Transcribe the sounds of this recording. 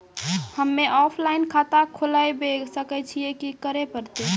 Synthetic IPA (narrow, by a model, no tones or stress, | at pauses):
həmːeʔɔpʰlainkʰat̪akʰolajbesəkɛt͡ʃʰijekikəɾepəɾt̪e